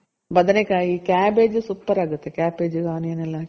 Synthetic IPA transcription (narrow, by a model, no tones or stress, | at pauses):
bɐd̪ɐnekʲːaːjikʲaːbeːd͡ʒɨsupːɐɾɐɡut̪ːekʲaːpːeːd͡ʒɨkaːnijɐnɐlːaː